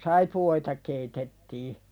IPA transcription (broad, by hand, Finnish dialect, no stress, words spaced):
sɑipuoitɑ keitetːiː